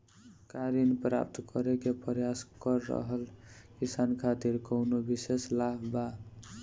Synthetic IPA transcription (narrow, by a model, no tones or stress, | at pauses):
kaɾinpɾa̰p̚t̪kʌɾekepɾjaskʌɾːʌ̰ɦəlkisankʰat̪iɾkəwnobiseslabba